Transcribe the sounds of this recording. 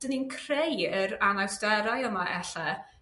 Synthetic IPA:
d̥əninkʰrejəɾanawsd̥ɛɾajəmaʔɛɬɛ

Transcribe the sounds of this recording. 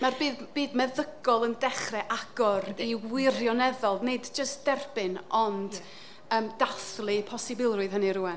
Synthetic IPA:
marbiːb̥iːdmɛðəɡɔlˠəndɛχrɛʔaɡ̥ɔɾiwɪrjɔnɛðɔlˠneɨdd͡ʒəstd̥ɛrbɪnʔɔnd̥ | əːmdaθlˠɨpʰɔsɨbɪlˠrʊɨð̥ɦəniɾuɛn

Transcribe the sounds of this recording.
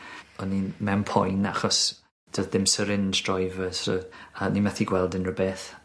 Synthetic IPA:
ɔnimɛwmpʰɔ̰jnaχɔs | d̥ʰəððɪmsəɾɪnd͡ʒdrɔjvəsɔ̰animaθiɡwɛlˠdɪnrəbeθ

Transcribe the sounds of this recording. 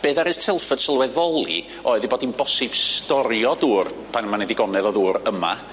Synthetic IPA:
b̥eːðaɾɨstʰɛlˠfəd̥səlˠwɛðɔlˠḭ | oːɨðibɔːdinbɔsɪb̥stɔɾjɔduːr | pʰanəmanɛdiɡɔnɛðɔðuːɾəma̰

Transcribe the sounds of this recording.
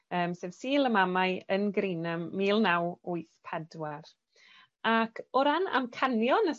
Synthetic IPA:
əːmseːvsiːlˠəmamajənɡɾiːnəmːiːlˠnawʊɨθpʰɛdwar | akʰɔɾana̰mkʰanjɔnə

